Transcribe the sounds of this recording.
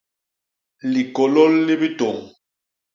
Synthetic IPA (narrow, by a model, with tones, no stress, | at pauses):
li˨kɔ˨lɔ˦lni˦bi˦to˨ŋ